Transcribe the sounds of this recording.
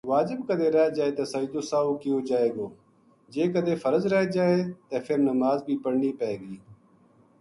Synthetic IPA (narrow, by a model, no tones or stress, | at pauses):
ʋaːd͡ʒɪbkəd̪eːɾɛːd͡ʒaːeːt̪eːsɐid̪oːsaːoːkioːd͡ʒaːeːɡoː | d͡ʒeːkəd̪eːfəɾəzɾɛːd͡ʒaːeːt̪efʰɪɾnɐmaːzbʱiːpəɽniːpɛːɡiː